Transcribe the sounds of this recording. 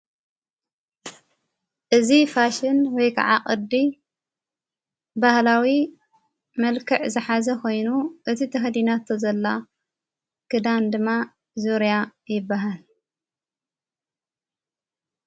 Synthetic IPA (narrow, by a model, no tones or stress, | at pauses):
ʔɨzifaʃɪnwɔjkʰa̰ʕa̰kʼɨd̪ːi | bahlawi | mɐlkʰɨʕzɨħazɐkʰo̞jnuʔɨt̪ʰit̪ʰɐxɐd̪inat̪ʰːozɐlːa | kɨd̪and̪ɨmːa | zuɾjajɪbːaɦal